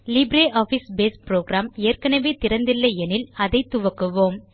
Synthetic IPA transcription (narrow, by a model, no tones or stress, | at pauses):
lɪbɾeːʔaːfisbeːspɾoːɡɾaːmeːrkɐɳɐʋet̪ɪɾɐnd̪ɪlːɐɛnɪlɐðɐɪt̪ʊʋɐkːɯʋoːm